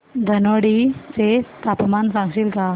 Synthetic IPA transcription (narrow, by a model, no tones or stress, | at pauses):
d̪ʱənoɽit͡set̪apmansãŋɡɕilka